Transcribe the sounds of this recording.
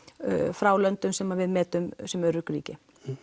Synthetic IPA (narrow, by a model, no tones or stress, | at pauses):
fɾaːwlœnt̪ʏnsɛmːavɪðmɛːt̪ʏmsɛmɛɾːʏkʏɾḭːcɪ